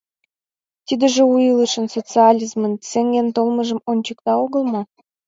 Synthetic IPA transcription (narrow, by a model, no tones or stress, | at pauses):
t̪id̪ə̆ʒĕujələʃə̆nsot͡sɨɑlʲizmənseŋɡʲent̪olməʒə̆monʲt͡ɕək̚t̪ɑoɣə̆lˠmo